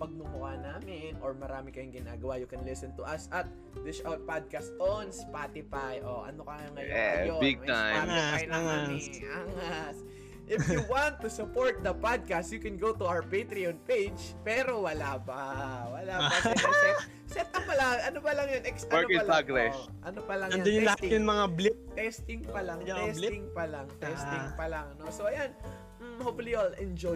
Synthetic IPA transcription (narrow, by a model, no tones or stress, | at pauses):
pɐɡ̚nʊmʊaːnaːmɪnʔoɹmɐɾaːmɪkɐjʊŋɡɪnaːɡɐwajʊkɛnlɪsɛnt̪ʊʔɐsʔɐt̪̚ | wɪʃʔawt̪̚pad̪̚kɐst̪ʔonspat̪ɪfajʔoʔɐ̰nokɐjŋɐɐjobiɡ̚ɐajaajaanɪʔaŋas | ʔɪfjuwant̪ːusʊpoɹt̪̚d̪ɐpad̪̚kɐst̪jukɛ̃nɡowt̪ʊʔawɹpet̪ɾionpejd͡ʒpɛːɾo̞wɐlaːpawɐlaːɐɛ | sɛt̪ɐpɐlaɐnopɐlɐŋjɐnʔɛksɐɛɹkiɐaɡɾɛʃ | ʔɐnopɐlɐŋɐnd̪onjʊlɐhat̪jʊnmɐŋablɪp̚t̪ɛst̪ɪŋpɐlaŋj̪ɛslɪɪŋpɐlɐŋt̪ɛst̪ɪŋpɐlaŋnosoʔɐjan̩ | hoflialɛ̃nd͡ʒo